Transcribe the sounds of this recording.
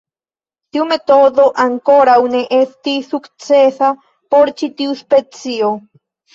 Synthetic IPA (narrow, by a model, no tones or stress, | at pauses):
t̪iume̞t̪oðo̞ʔaŋkoɾawneʔest̪isukt͡sesa | poɾt͡ʃit̪iuspet͡sio